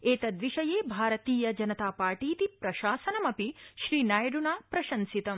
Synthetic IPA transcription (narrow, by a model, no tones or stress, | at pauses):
eːt̪ɐd̪ʋiʃɐjeːbʱaːɾɐt̪iːjɐd͡ʒɐnɐt̪aːpaːɾʈiːt̪ipɾɐʃaːsɐnɐmɐpiʃɾiːnaːjɐɖunaːpɾɐʃɐnsit̪ɐm